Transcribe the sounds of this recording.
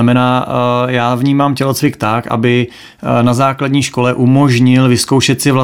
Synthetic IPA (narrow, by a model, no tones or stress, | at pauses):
amɛnaːjaːvɲiːmaːmcɛlot͡svɪkt̪akʔa̰bɪ | nazaːkladɲiːʃko̞lɛʔumo̞ʒɲɪlvɪsko̞wʃɛt̪sɪvla